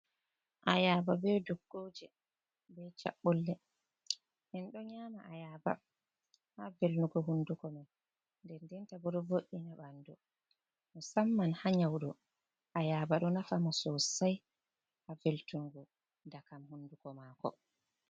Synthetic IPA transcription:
ʔajababɛduɡːod͡ʒɛ | bɛt͡ʃa̰ɓːɔlːɛ | hɛnɗɔɲaːmaajaba̰ | havelnuɡɔɦundukɔman | ndɛndɛntabɔɗɔvoʔːinaɓandɔ | mɔsamːanhaɲawɗɔ | ʔajaːbaɗɔnafamɔsɔsaj | haveltuŋɡɔ | dakamhundukɔmaːkɔ̰

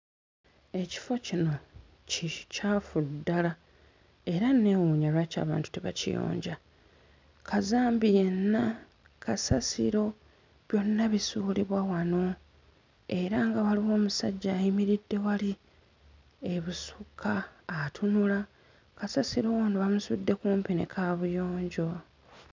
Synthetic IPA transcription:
e̞ci̥fo̞cino̞ | cicaːfudːala | e̞ɾanːe̞ːwuːɲaɾwaca̰ːβa̰ːntu̥teβa̰cḭjo̰ːɲɟa | kʰazaːmbije̞nːa | kasasḭɾo̞ | βjo̞nːaβisuːliβwawano̞ | e̞ɾaŋɡaβaliwo̞ːmusaɟːaːjimiɾidːe̞wali | e̞βusukʰaːtʰunula | kasasiɾo̞wanoβamusudːe̞kuːmpinḛkʰaːβujo̞ːɲɟo̞

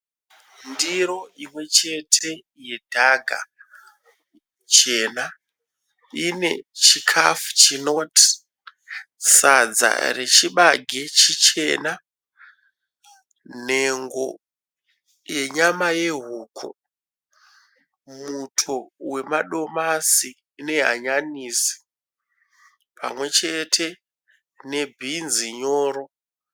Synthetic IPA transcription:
ndiɾo̞imwe̞t͡ʃe̞tʰe̞ | je̞dʱaɡʱa̰ | t͡ʃeːna | ine̞̰t͡ʃikʰafu̥t͡ʃino̞ti̥ | sad͡za̰re̞t͡ʃiɓaɡʱe̞t͡ʃit͡ʃe̞̰ːna | n̤e̞ŋɡo̞̰ | je̞ɲamaje̞ɦuːkʰo̰ | mutʰo̞we̞maɗo̞masiː | ne̞ɦa̰ɲanisi̥ | pʰa̰mwe̞t͡ʃe̞tʰe̞ | ne̞bʱinziɲoːɾo̞

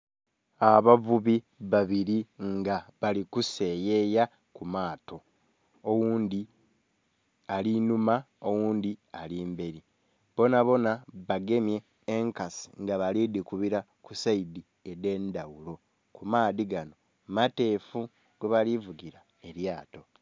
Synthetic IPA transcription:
aβavuβi | βaβiɾiŋɡaβalikuse̞je̞ja | kumaːto̞ | owuːnd̪i | alinuma | owuːnd̪ialiːmbe̞ɾi | bo̞naβo̞naβaɡe̞mje̞ː | ŋkasi̥ŋɡaβalidikuβiɾa | kusaidi | e̞de̞ndawulo̞ | kumaːdiɡano̞ | mate̞fu | ɡ̥eβalivuɡiɾa | e̞ɾjaːto̞

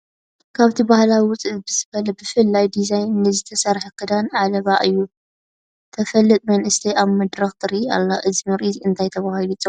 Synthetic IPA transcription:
kʰaβt̪ʰibahlawiwʊt͡sʼɨt̪̚bɨzɨβɐlɐbɨfɨlːajd̪izajnːɨzɨt̪ʰɐsɐɾħɐkʰɨd̪anʕalɐβaʔɨjːu | t̪ʰɐfɐlːɨt̪ʼmɐnʔɨst̪ʰɐjaβmɐd̪ɾɐxt̪ʰɨɾia̰lːaʔɨzmɨɾizɨnt̪ʰajt̪ʰɐβahilit͡sʼo

